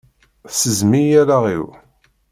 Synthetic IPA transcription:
səzmijæɾaʁḭw

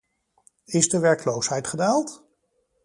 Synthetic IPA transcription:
ɪzdəʋɛɹklowsɦɛjtχədaːlˠt

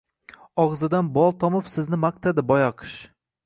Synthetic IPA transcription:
ɒʁzɪd̪anbɒlˠt̪ʰɒmɪpsɪznɪmaq̚t̪ʰad̪ɪbɒjaqʰɨ̥ʃ

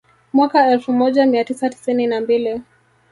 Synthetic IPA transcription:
mwakaɛlfumɔʄamiatisati̥sininambili

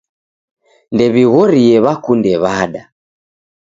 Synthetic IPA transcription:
ndɛβiɣɔɾiɛβakundɛβaːɗa

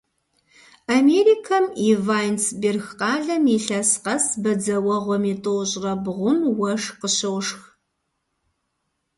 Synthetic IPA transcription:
ameɾiːkʰɐmivaːjnsberxqɑːɮɐmiɬɐsqɐsbɐd͡zɐwɐʁʷɔmitʼowɕʼrɐbʁʷʊnwɐʂqəɕɐwʂx

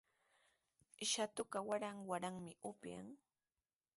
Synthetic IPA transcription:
ɪʃat̪ʊkawaɾaŋwaɾaŋmɪʊpja̰ŋ

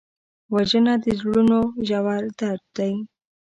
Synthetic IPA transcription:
waʒənad̪əzɽunoʒawɑɾd̪aɾd̪̥aj

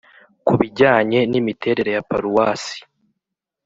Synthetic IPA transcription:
kuβiɟaːɲe̞nimitʰe̞ːɾe̞ɾe̞japaɾuwaːsi̥

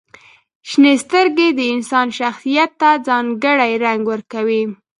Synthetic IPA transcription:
ʃnest̪əɾɡed̪əɪnsɑnʃaxsijat̪ːad͡zɑŋɡəɽajɾaŋɡwəɾkawi

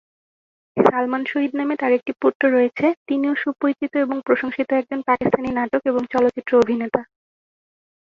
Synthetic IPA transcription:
salmanʃoɦid̪namet̪aɾek̚ʈipuʈːoɾoet͡ɕʰet̪inioʃupojt͡ɕit̪oeboŋpɾoʃoŋʃit̪oɛk̚d͡ʑonpakist̪ʰaninaʈokeboŋt͡ɕɔlot̪ːit̪ːɾoobʱinet̪a

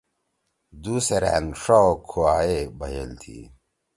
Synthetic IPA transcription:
d̪uːseɾa̰ːnʂakʰuaːebɐɦḛlt̪ʰḭː

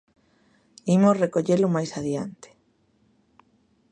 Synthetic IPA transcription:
imosrekoʎelʊmajsaðja̰nt̪e̥

